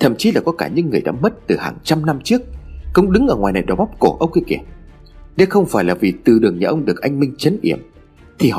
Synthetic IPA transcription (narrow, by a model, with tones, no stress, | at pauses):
t̪ʰə̰˧˩mt͡ɕi˨˦laː˨˩kɔ˨˦kaː˧˩ɲɨ̰˧˥ŋːɨ˨˩əjɗa̰ː˧˥mə˦˥t̚t̪ɨ˨˩haː˨˩ŋt͡ɕa˧mna˧mt͡ɕɨ˦˥ək̚ːə˧wŋ͡mɗɨ˨˦ŋʔəː˧˩ŋwaː˨˩jna̰˧˨jɗɔ˨˧˩ɓa˦˥wp̚ko˧˩ʔə˧wŋ͡mki˧ki˧˩əm | ɗe˨˦xə˧wŋ͡mfaː˧˩jlaː˨˩vi˨˩t̪ɨ˨˩ɗɨ˨˩əŋɲaː˨˩ʔə˧wŋ͡mɗɨ˨˩ək̚ʔa˧jŋ̟mï˧ŋ̟t͡ɕə˨˦nɗḭ˧˩əm | t̪ʰi˨˩hɔ̰˧˨